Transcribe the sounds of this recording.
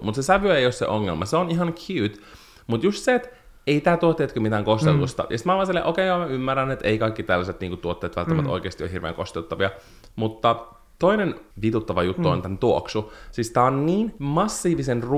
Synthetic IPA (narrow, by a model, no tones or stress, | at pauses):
mut̪sesæʋyeijossḛʔoŋːḛlmɑseoniɦɑŋkʰjyːt̪ | mut̪just̪seːt̪ | eit̪æːt̪uot̪ːeːt̪kømit̪æŋkost̪elːust̪ɑ̰jɑsit̪mɑlʋɑːnselːeʔokeːɑmæymːærænet̪eikɑikːit̪ælːæset̪niːŋkut̪uot̪ːeːt̪ʋælt̪ːmæt̪o̰ikeːst̪io̰hirʋḛːŋko̰st̪elt̪ːɑʋiɑ | mut̪ːɑ | t̪oinenʋit̪ut̪ːɑʋɑjut̪ːuo̰nt̪ænt̪uoksusist̪æːonniːnmɑsːiːʋisenr